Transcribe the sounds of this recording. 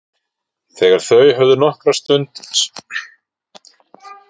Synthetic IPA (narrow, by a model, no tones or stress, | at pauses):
θɛɣaɾ̥θœɥɦœvðʏnɔhkɾast̪ʏnt̪s